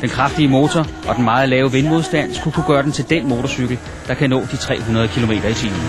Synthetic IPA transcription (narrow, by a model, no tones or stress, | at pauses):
d̥enkʰʁɑ̈fd̥iəmo̝ːt͡sʰɒʔɒ̽d̥enmɑ̈ːð̩ˠlɛːʊʋe̝nmo̝ð̞ˠsd̥æn̰sɡ̥ukʰuɡ̥ɶːɐd̥ent͡sʰe̝ld̥enmo̝ːt͡sʰɒsyɡ̥l̩ | d̥ɑ̈kʰænɔ̰ːd̥it͡sʰʁɛ̰ːɦunɐðˠəkʰilo̝me̝̰ːd̥ɐit͡sʰḭːmn̩